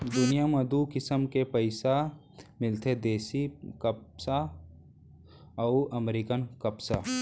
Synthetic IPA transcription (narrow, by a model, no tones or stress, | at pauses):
d̪ʊnijamɐd̪uːkɪsəmkepəɪsa | mɪlt̪ʰed̪eːsikəsa | ɔːʔəmɾikənkəpsa